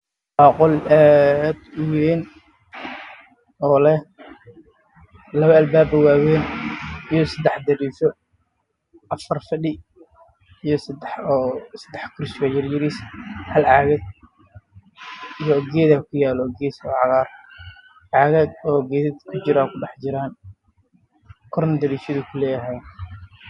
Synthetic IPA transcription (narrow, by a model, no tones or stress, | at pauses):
bɑːqʊlɛd̪ʊwɛːn | ʔɔːlɛh | lɐβɐɐlbaːbɐwaːwɛːnijɔsɐd̪ɛħd̪ɐɾiːsɔ | ʔɐfɐrfɐɗɪ | ijɔsɐd̪ɛħɔːsɐd̪ɛħkʰʊɾsɐjɐrjɪɾishɐlʕɑːɣɐd̪ | ijɔɡɛːðaːkʰʊjaːlɔːɡɛːsɔʕɑɣaːr | ʕɑːɣaɡ̪ɔːɡɛːðɐd̪kʰʊt͡ʃɪɾaːkʰʊɖɛħd͡ʒɪɾaːn | kʰɔrnd̪ɐɾiːʃɐðʊkʰʊlɛːjɐɦɐj